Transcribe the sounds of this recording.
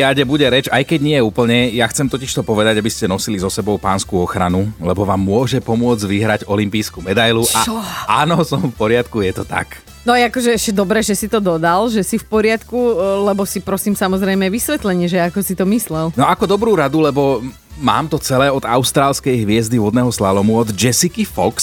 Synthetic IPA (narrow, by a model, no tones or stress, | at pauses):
aɟɛbuɟɛɾɛt͡ʃajkɛɟɲɪɛjɛuːpl̩ɲɛjaxt͡sɛmt̪ɔciʃt̪ɔpɔʋɛd̪aɟabiscɛnɔsilizɔsɛbɔʊpa̰ːnskuɔxɾa̰nulɛbɔʋaːmːʊɔʒɛpɔmʊɔd͡zɟʋiɦɾaɟɔlimpiːskumɛd̪ajluʔaaːnɔsɔɱfpɔɾɪat̪kujɛt̪ɔt̪a̰k | nɔjɛakɔʒɛɛʃcɛd̪ɔbɾɛːʒɛsit̪ɔd̪ɔd̪alʒɛsifpɔɾɪat̪kulɛbɔsipɾɔsiːmsamɔzɾɛjmɛʋisʋɛt̪lɛɲɪɛʒɛakɔsit̪ɔmislɛlnɔakɔd̪ɔbɾuːɾad̪ulɛbɔ | ma̰ːmt̪ɔt͡sɛlɛːɔd̪aʊst̪ɾaːlskɛjɦʋɪɛzd̪ivɔd̪nɛɦɔslalɔmuɔd̪d͡ʒɛsikifɔks